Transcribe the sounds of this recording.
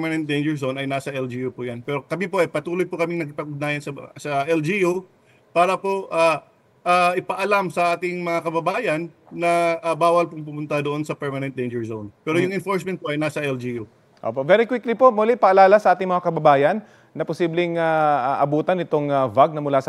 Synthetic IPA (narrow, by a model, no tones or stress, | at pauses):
mɐnɛnt̪̚d̪ejnd͡ʒɛɹsownɐjnasɐɛld͡ʒijupʊjanpɛːɾokɐmipoʔɐpɐt̪uːlojpokɐmɪŋnɐkɪpɐɡ̚ʊd̪̚naːjɐnsɐsɐʔɛld͡ʒiju | paːɾɐpoʔa | ʔaːʔɪpɐʔɐlamsɐʔaːt̪ɪŋmɐŋakɐbɐbaːjɐnː | ɐʔabaːwɐlpʊŋp̬ʊmʊnt̪ad̪oʔonsɐpɛɹmɐnɛn̚d̪ejnd͡ʒɛɹzonpɛːɾojʊŋɪnfoɹsmɛnt̪̚poʔɐjnasɐʔɛld͡ʒiju | ʔo̰poʔvɛɾikwɪklipo̞ʔmolɪʔɪpɐʔɐlaːlɐsɐʔaːt̪ɪŋmɐŋakɐbɐbaːjɐnː | ɐposiːblɪŋaaʔɐbuːt̪ɐnɪt̪o̞ŋɐvaɡ̚nɐmʊlasɐ